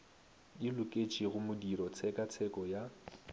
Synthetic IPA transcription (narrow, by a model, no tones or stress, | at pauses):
ɪlʊkʼet͡ʃʼiɣʊmʊdiɾɔt͡sʰɛkʼat͡sʰɛkʼɔja